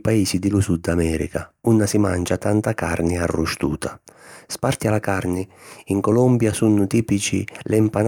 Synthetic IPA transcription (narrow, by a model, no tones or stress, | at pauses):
paiːsid̪ɪlusud̪amɛːɾḭkaunːasima̰nd͡ʒat̪ant̪akarnɪarːuʃt̪ṵːt̪ʰaspart̪ialakarnɪiŋkɔlɔmbjasunːʊt̪iːpit͡ʃḭlɛmpan